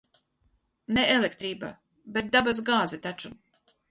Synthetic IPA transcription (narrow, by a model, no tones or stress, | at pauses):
neʔelek̚t̪ɾiːba̰ | bet̪̚d̪abas̬ɡaːzɛt̪at͡ʃu